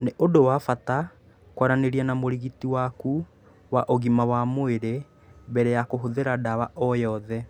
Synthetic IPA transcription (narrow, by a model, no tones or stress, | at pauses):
neʔodowafata | kwaɾaneɾiɛnamoɾiɣitiwaku | waʔoɣimawamoeɾe | bɛɾɛjakoɦoðeɾadawaʔɔjɔðɛ